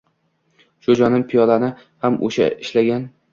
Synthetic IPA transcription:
ʃʊd͡ʒɒnɪmpʰɪjɒd̪anɪ | hamʔo̰ʃa̰ɪʃlaɡʲan

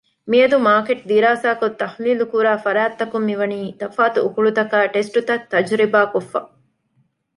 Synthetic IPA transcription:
miɐd̪umaːkeʈd̪iɾaːsaːkot̪ːɐhliːlukuɾaːfɐɾaːt̪ːɐkumːiʋɐniːt̪ɐfaːt̪uːkuɭut̪ɐkaːʈesʈut̪ɐt̪ːɐd͡ʒɾibaːkofːɐ̰

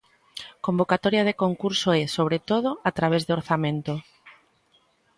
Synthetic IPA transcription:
kombokat̪ɔɾjað̞ekoŋkuɾsoɛsoβ̞ɾet̪oð̞oat̪ɾaβ̞ezðoɾθamẽnt̪o

